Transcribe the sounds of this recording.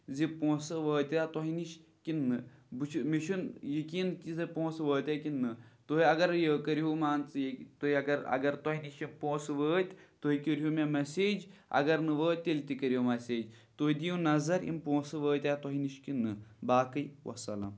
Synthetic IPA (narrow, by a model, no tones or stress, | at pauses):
zipõːsɨʋəːt̪ʲaːt̪ɔɦiniʃkinːɨbɨt͡ʃʰmiʃʰunjəkiːnkizepõːsʋəːt̪ʲakinːɨt̪oɦiɐɡɐɾjəːkəɾiɦumaːnt͡sɨjt̪oɦiɐɡɐɾɐ̰ɡɐɾt̪oɦiniʃimpõːsʋəːt̪ʲt̪oɦikəɾɦumemɐseːd͡ʒɐ̰ɡɐɾnɨʋəːt̪̚ʲelt̪ikəɾijomɐseːd͡ʒt̪oɦid̪ijũnɐzɐɾḭmpõːsɨʋəːt̪ʲaːt̪ɔɦiniʃkinːɨbaːkɨjwʔɐ̰sɐlɐ̰m